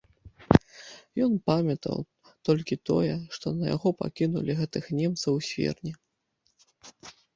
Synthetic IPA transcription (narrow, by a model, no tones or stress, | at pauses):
jɔnpamʲɐt̪ɐ̰w | t̪ɔlʲkʲit̪ɔ̰jɛʂt̪ɔnɐja̰ɣɔpa̰kʲinṵlʲiɣɛt̪ɨxnʲɛmt̪sɐwsʲfʲɛ̰rnʲi